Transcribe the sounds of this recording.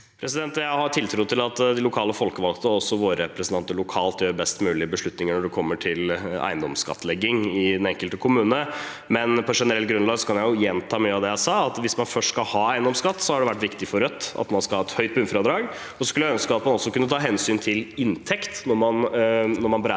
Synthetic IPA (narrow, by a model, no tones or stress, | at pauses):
pʰɾɛsɪd̪ɛnt̪jæɪhɑʈʰɪlt̪ʰɾuːt̪ʰɪlɑt̪d̪ɪlʊkʰɑːləfɔlkəʋɑlɡt̪əɔsːɔʋoːɾəɾɛpɾəsn̩ɑnt̪ːəɭʊkʰɑːlt̪jøːɾbɛst̪mʉːlɪbəʂɭʉt̪nɪŋəɳɔɖɛkʰɔmːəʈʰɪlæ̰ɪnd̪ɔmskɑ̰t̪ːlɛɡːɪŋɪd̪ɛnɛŋkəlt̪əkʰʊmʉːnə | mɛnpʰɔʂɛnəɾɛlt̪ɡɾʉnlɑːɡsɔkʰɑnjæɪjʊjɛnt̪ʰɑːmyːəɑʋd̪ɛjæɪsɑːɑt̪ʋɪsmɑnfœʂʈskɑlhɑːæɪnd̪ɔmskɑt̪ːsɔhɑɖɛʋæʈːʋɪkt̪ɪfɔɾœt̪ːɑ̰t̪mɑnskɑlhɑːɛt̪hœʏt̪̚bʉnfɾɑd̪ɾɑːɡ | ɔsɔskʉlːəjæœnskəɑt̪mɑnɔsːɔkʉnːət̪ʰɑːɦɛnsyːnt̪ʰɪlɪnt̪ʰɛkt̪nɔɾmɑnnɔɾmɑnbɾ